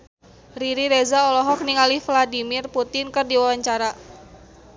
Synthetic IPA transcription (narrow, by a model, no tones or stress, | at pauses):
riɾiɾezaɔlɔɦɔk̚niŋalifladimɪrput̪ɪnkərdiwawaɲt͡ʃaɾa